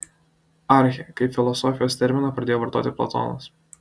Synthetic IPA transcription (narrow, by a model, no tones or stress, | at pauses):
ɐˑɾʲxʲɛkɐɪpʲfʲɪlˠɔsɔːfʲɪjoːst̪ʲɛɾʲmʲɪnɐpɾɐd̪ʲeːjoːʋɐɾt̪o̰ːt̪ʲɪplˠɐ̰t̪o̰ːnɐ̰s